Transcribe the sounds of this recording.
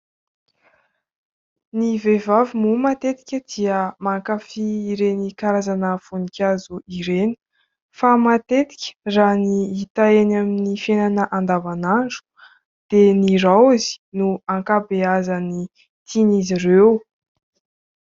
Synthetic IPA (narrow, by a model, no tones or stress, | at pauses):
nivevavimumat̪et̪i̥kʲəd̪iəmaŋkafiːɾenikaɾazanəfunikʲazuʔiɾeni̥ | famat̪et̪i̥kʲə̥raniit̪aenaminifenanəʔand̪avanaɳɖ͡ʐu̥ | d̪̥eniɾawizi̥nuaŋkabeazani | t̪ʰinizirew